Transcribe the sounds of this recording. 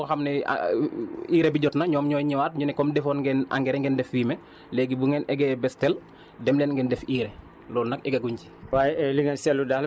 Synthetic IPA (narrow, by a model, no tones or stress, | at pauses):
oxamnɛa̰ | iːɾebiɟɔtnɐɲɔːmɲɔːjɲiwat̚ɲunɛkɔmdɛfɔːnɡɛna̰ŋɡɛɾɛŋɡɛndɛfwiːmɛ | lɛːɡibuŋɛnʔɛɡɛbɛstɛl | dɛmlɛnɡɛndɛfiːɾɛ | lɔːlnɐkɛɡɐɡuɲci̥wajɛliŋansɛlːudaːl